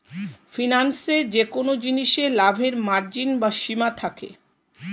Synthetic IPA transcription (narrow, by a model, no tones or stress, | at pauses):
finansed͡ʑekonod͡ʑiniʃelabʱeɾmaɾd͡ʑinbaʃimat̪ʰakḛ